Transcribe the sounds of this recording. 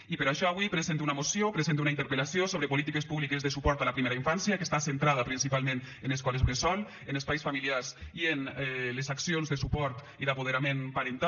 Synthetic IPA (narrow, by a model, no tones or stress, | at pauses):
ipeɾaʃɔaβwipɾezent̪unamosjopɾezent̪eunaint̪eɾpelasiosoβɾepolit̪ikespuβlikezðesupɔɾt̪alapɾimeɾaiɱfansjakest̪asent̪ɾað̞apɾinsipalmẽn | eneskɔlezɾesɔl | enespajsfamiliaɾsienɛlezaksionzðesupɔɾt̪ | iðapoð̞eɾamenpaɾent̪a